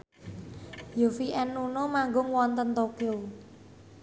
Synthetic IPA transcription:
jofiʔɛnːunomaŋɡʊŋwɔnt̪ənt̪okiu

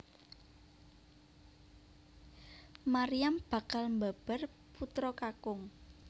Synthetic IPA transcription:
maɾijamb̥ä̤kalmbab̥ər | put̪ɾɔkakʊŋ

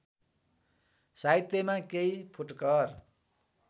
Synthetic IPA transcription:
sait̪ːemãkeipʰuʈkʌr

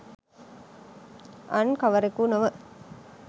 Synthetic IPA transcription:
ɐnkɐʋɐɾekunɐʋə

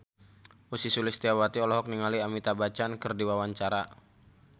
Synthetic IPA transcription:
usisulɪst̪iawat̪iɔlɔɦɔk̚niŋaliamit̪abat͡ʃankərdiwawaɲt͡ʃaɾa

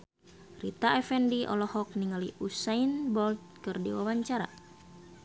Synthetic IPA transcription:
rḭt̪aɛfɛndiʔɔ̰lɔhɔk̚niŋaliʔusainbɔlt̪̚kɨrdḭwawaɲt͡ʃaɾa̰

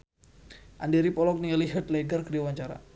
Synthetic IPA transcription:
ʔandɛɾipɔlɔk̚niŋaliɦət̪̚leɡərkədiawaɲt͡ʃaɾa̰

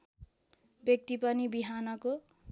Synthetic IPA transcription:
bjʌk̚t̪ipʌnibiɦanʌko

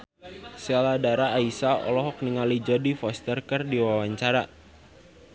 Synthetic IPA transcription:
sɛladaɾaːisaɔ̰lɔɦɔk̚niŋalid͡ʒɔdifɔst̪ərkərdiwawaɲt͡ʃaɾa

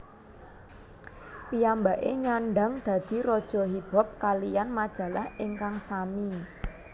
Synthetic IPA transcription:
pijambaʔeɲaɳɖa̤ŋd̪̥ä̤d̪̥i̤ɾɔd̥ʒ̥ɔ̤ɦib̥ɔ̤p̚kalijanmad̥ʒ̥ä̤lahiŋkaŋsami

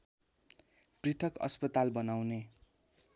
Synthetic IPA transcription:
prit̪ʰʌkʌ̰spʌt̪albʌnawne

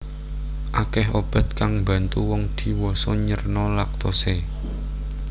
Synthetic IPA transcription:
ʔakɛɦob̥a̤t̪̚kaŋmbä̤nt̪uwɔŋd̪̥i̤wɔsɔɲərnɔlak̚t̪ɔse

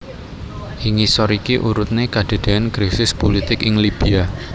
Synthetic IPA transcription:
ʔiŋisɔɾikiʔuɾʊt̪̚nekad̥e̤d̪̥eɛnkɾisɪspolit̪ɪkɪŋlib̥ia

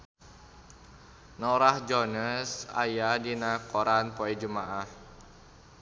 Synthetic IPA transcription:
nɔɾahd͡ʒɔnəsa̰jadinakoɾanpɔɛd͡ʒumaʔah

